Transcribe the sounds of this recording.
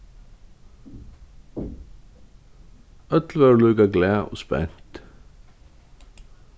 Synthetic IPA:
œt̪l̩ʋæːɾlʉːɡɑɡlæːʔo̰ːspɛ̰nt̪

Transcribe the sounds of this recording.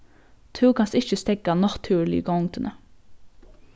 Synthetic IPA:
t̪ʰʉːkʰɑnsɪçəst̪ɛkɑnɑt̪ʰʉːɭɪ̰ɡʊŋt̪ənʔə

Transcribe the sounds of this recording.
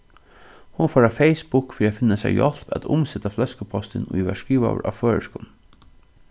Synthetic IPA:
hʊnfɔːɾafeɪspʊkfɾiːat̪fɪnasɛ̰jɔl̥pæ̰t̪ʰʊmsɛt̪aflɛskəpʰɔst̪ɪnṵiʋæʂkiːʋa̰ʋə̰ɹʔa̰føːɹəʃkʊn

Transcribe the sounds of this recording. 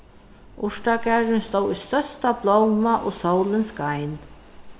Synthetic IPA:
ʊʂʈakæɹɪnst̪owʏst̪œst̪ablɔwmaʔoːsowlɪnskajn

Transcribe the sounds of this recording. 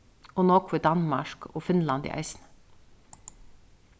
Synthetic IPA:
oːnoːkʰʋeːd̪ɑnmɑʃko̰ːfɪnlɑnd̪ḭːʔæ̰ɪsn̩

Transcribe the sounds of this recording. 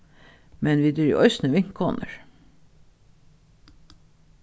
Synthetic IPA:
mɛnʋiːd̪ɾy̰ːʔœʏsnəʋɪŋkʰo̰ːnə̰ɹ

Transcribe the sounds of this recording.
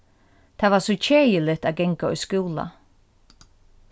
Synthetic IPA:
t̪ʰavasɔt͡ʃʰeːjɪlɪt̪aːɡɛŋkaɔ̰jskuːla̰

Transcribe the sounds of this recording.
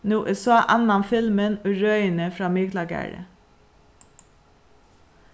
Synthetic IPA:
nuːʔesɑːʔɑnɑnfɪlmənoːɹœʏənəfɾɑːmɪɡlɑɡæ̰ːɹə̰

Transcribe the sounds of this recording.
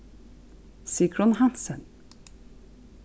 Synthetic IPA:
sikɾɔnɦansən

